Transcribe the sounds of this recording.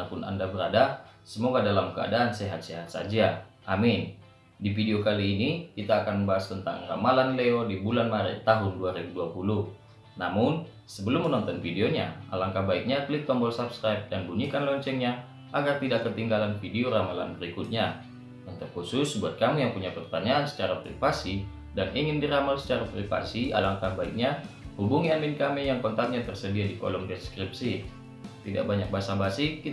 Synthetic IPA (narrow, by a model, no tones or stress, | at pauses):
apʊna̰ndabəɾadasəmoɡadalamkəa̰daːnseɦat̪̚seɦat̪̚sa̰d͡ʒaʔamɪn | difideokaliːnikit̪aːkanbaɦast̪ənt̪a̰ŋra̰malanleodibulanmaɾɪt̪ːaɦʊnduaɾibuduapulʊh | namʊn | səbəlʊmːənɔnt̪ɔnfideoɲaa̰laŋkabaɪk̚ɲak̪əlikt̪ɔmbɔlsabskɾajp̚danbuɲikanlɔɲt͡ʃɛŋɲa | ʔaɡart̪idakːət̪iŋɡalanfideoɾamala̰nbəɾikʊt̪̚ɲa | unt̪ukhusʊsbuat̪̚kamujaŋpuɲapərt̪aɲaʔansə̥t͡ʃaɾapɾḭfasi | daniŋɪndiɾamalsə̥t͡ʃaɾapɾifa̰sia̰laŋkabaɪk̚ɲa | hubuŋiamɪnkamijaŋkɔnt̪at̪̚ɲat̪ərsədiadikɔ̰lɔmdɛskɾip̚si | t̪ida̰k̚baɲak̚baɦasabasiki